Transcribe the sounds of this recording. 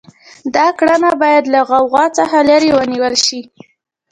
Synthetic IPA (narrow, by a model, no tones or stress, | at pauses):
d̪ɑkɽanabɑjad̪laɣɑwɣɑt͡saxalaɾewəniwəlʃi